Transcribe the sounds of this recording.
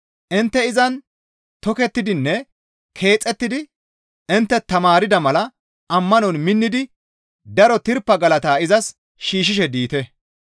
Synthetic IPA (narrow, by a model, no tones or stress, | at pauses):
ʔɪnt̪ːɛɪzɐn | t̪ɔkɛt̪ːɪd̪ɪnːɛ | kʰe̞ːt͡sʼːɛt̪ːɪd̪ɪ | ɪnt̪ːɛt̪ːɐmaːɾɪd̪ɐmɐlɐ | ʔɐmːɐnɔnmɪnːɪd̪ɪ | d̪ɐɾɔt̪ɪɾpːɐɡɐlɐt̪aːɪzɐs | ʃiːʃ̬ɪʃɛd̪iːt̪ɛ